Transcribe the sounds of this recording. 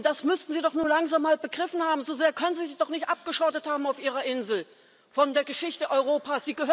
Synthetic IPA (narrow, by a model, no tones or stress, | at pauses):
d̥asmʏstn̩ziːdɔχnuːɐlaŋzaːmːaːlbəɡʁɪfn̩haːbm̩zozeːɐkʰœnənziːzid̥ɔχnɪçtʔap̚ɡ̥əʃɔtəthaːbm̩aʊfʔiːʁɐʔɪnzl̩ | fɔndeːɐɡəʃɪçtəʔɔʏʁoːpaːsz̥iːɡəhø